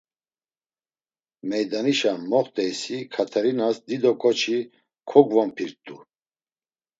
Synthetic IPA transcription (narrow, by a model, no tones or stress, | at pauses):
mɛjd̪aniʃaːɔχt̪ʼɛjsikʰat̪ʰɛɾinasd̪id̪ɔkʼɔt͡ʃʰi | kʰɔɡvɔmpʰiɾt̪ʼu